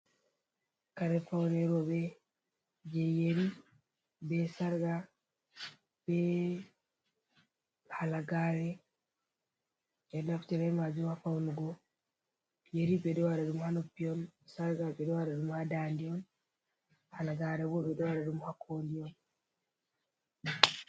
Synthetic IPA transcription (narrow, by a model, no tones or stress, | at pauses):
kaɾefauɾeɾoβe | jejeɾi | βesaɾɡa | βe | halaɡaɾe | eɾnaku̥t͡ʃiɾaemaziwafaunuɡo | jeɾiβedewaɾaɾimuhanopionsaɾɡaβedewaɾaɾimuhadaːndion | halaɡaɾeβoβedewaɾaɾimuhakʰolion